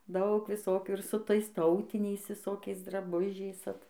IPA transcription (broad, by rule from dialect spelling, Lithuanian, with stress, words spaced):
ˈdɐʊk ʋʲɪˈsoːkʲuː ɪr sʊ ˈtɐɪs ˈtɐʊtʲɪnʲɛɪs ʋʲɪˈsoːkʲɛɪs drɐˈbʊʒʲɛɪs ˈɐt